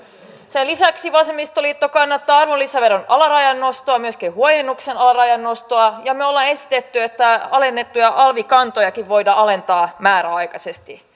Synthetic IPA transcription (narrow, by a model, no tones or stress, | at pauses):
selisæksiʋɑsemːist̪olit̪ːokɑnːɑt̪ːɑːɑrʋolːiseɑʋeronʔɑlɑɾɑjɑnːo̞st̪oɑmyøskihuojenːuksenɑlɑrɑjɑnːo̞st̪oɑjɑmeolːɑːe̞si̥t̪et̪ːyet̪ːæɑle̞nːe̞t̪ːujɑʔɑlʋikɑnt̪o̞jɑkiʋʋo̞jdɑɑle̞nt̪ɑːmæːɾæɑjkɑse̞st̪i